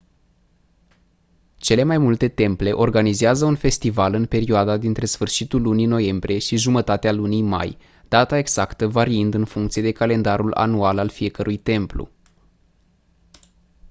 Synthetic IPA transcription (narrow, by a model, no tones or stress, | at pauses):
t͡ʃe̞le̞majmult̪e̞t̪e̞mple̞ʔo̞rɡanizeazəunfe̞st̪ivalɨnpe̞ɾioad̪ad̪int̪ɾe̞sfɨrʃit̪ulːunino̞je̞mbɾije̞ʃiʒumət̪at̪ealunijma̰j | d̪̥at̪ae̞ɡz̥akt̪əvaɾiɨnd̪ɨnfuŋkt̪sije̞d̪e̞kale̞nd̪aɾula̰nualalfije̞kəɾʔujt̪e̞mplṵ